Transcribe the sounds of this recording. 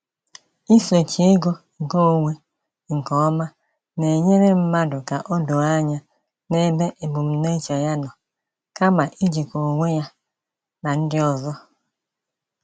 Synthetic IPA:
i˦se˨t͡ʃi˨e˦ɡo˦ŋ̩˨ko˦o˨ŋʷe˦ | ŋ̩˨kɔ˦ɔ˦ma˦ | ne˨ɲe˦ɾe˦m̩˦ma˦dʊ˨ka˨ʔo˦do˨a˦ɲa˦ | ne˦be˦ʔe˨bʊ˨m̩˦ne˦t͡ʃa˨ja˦nɔ˨ | ka˦ma˨ʔi˦d͡ʒi˨ko˨ŋʷe˦ja˦ | na˨n̩˦dɪ˦ɔ˨zɔ˦

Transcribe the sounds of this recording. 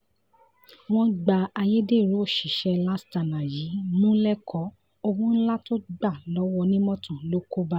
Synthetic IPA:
w̃ɔ̃˦ɡ͡ba˧a˧je˦de˦˨ɾu˨˦o˦˨ʃi˨ʃɛ˧la˦sta˨nã˨ji˨˦mũ˦lɛ˦kʰɔ˨˦ | o˧ɡũ˦n̩˦la˦to˦ɡ͡ba˦˨lɔ˨˦wɔ˧nĩ˦mɔ̃˦tũ˨lo˦ko˦ba˦

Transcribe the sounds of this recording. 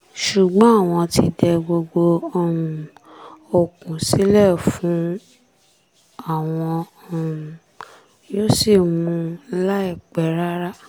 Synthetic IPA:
ʃu˨ɡ͡bɔ̃˨˦a˦˨w̃ɔ̃˧ti˧dɛ˧ɡ͡bo˧ɡ͡bo˧˨ | o˨kũ˨si˦lɛ˦˨fũ˨˦ | a˦˨w̃ɔ̃˧˨ | jo˦si˦˨mũ˧˦la˦i˦˨k͡pɛ˨˦ɾa˦ɾa˦

